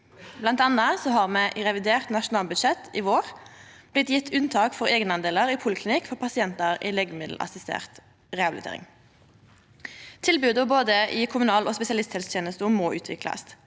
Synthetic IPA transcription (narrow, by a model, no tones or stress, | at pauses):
blɑnt̪ɑnɑsɔɦɑʁmɛːʔʁɛʋɪd̪eːʁt̪nɑʃʊnɑːlbʉd̪ʃɛt̪ʰːɪʋoːʁb̥lɪt̪jɪt̪ʰːʉnt̪ʰɑːkfɔʁeːɡənɑnd̪eːləʁiːpʰʊlkʰlɪnɪkfɔʁpʰɑsɪɛnt̪əʁɪleːɡəmɪd̪l̩ʔɑ̰sɪst̪ḛːʁt̪ | ʁɛɑbɪlɪt̪ʰḛːʁɪ̰ŋ | t̪ʰɪlbʉːd̪ɔboːd̪əʔɪkʰʊmʉnɑːloːspɛsɪɑlɪst̪hɛlst̪ʰeːnəst̪əʊmoːʔʉːt̪ʰʋɪ̰klɑ̰s